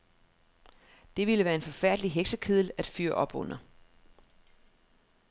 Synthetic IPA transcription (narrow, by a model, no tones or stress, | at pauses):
d̥e̝ʋiləʋæːɐe̝nfɒ̽fæɐ̰d̥əliɦeɡ̥səkʰiðˠl̩æd̥fyːɐʔɒ̽b̥ɔ̽n̰ɐ